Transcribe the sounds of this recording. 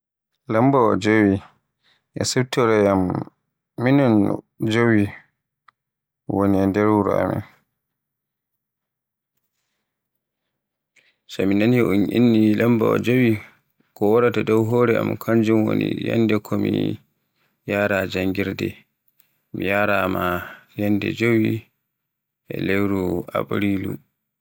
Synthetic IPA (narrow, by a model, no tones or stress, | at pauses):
lambaɔd͡ʒowi | ʔɛsubtɔɾɛjamː | inɔn | d͡ʒowi | woniandɛɾwuɾɔ̰a̰mɛ̰n | saminanjɛʔunʔinːilamba̰ɔd͡ʒowi | kɔwaɾatadɔwɦɔːɾɛa̰mkʰaɲd͡ʒumwo̰nḭja̰nːdɛkʰɔmḭ | jaːɾad͡ʒaŋɡiɾdɛ | mijaɾamajɛndɛ̰d͡ʒowi | ʔɛ̰lewɾua̰bɾilṵ